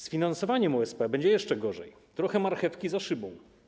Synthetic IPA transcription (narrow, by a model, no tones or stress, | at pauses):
sfʲinansɔvaɲɛmuɛspɛbɛɲd͡ʑɛjɛʂt͡ʂɛɡɔʐɛj | t̪ɾɔxɛmaɾxɛfkʲizaʂɘbɔ̃w̃